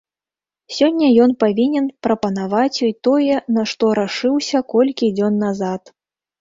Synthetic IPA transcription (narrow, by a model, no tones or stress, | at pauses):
sʲɔnʲːɐjɔnpavʲinʲɛnpɾɐpɐnavat͡sʲjɔjt̪ɔjɛnɐʂt̪ɔɾaʂɨwsʲɐkɔlʲkʲid͡zʲɔnːazat̪